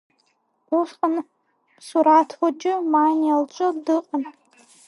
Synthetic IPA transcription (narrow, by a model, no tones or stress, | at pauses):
uχqʼan | suɾatʰwad͡ʒɪmanialt͡ʃʷʼɨdɨqʼan